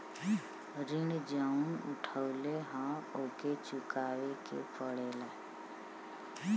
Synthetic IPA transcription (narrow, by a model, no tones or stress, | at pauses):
ɾɪɳd͡ʒaːunʊʈʰəʊleɦãoːket͡ʃʊkaːwekḛpʰəɽeːla